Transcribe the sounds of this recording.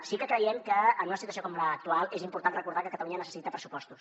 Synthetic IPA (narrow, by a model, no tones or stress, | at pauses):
sikəkɾəjɛmkəːnunəsit̪uəs̬iokɔmləːk̚t̪ualˠezimpuɾt̪anrəkuɾðakəkət̪əluɲənəsə̥sit̪əpɾəsu̥pɔst̪us